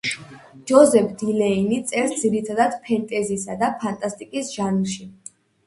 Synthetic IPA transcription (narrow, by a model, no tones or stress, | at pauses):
d͡ʒɔzɛpʰd̪ilɛinit̪sʼɛɾsd̪ziɾit̪ʰad̪ad̪̥pʰɛnt̪ʼɛzisad̪apʰant̪ʼast̪ʼikʼisʒ̥anlˠʃi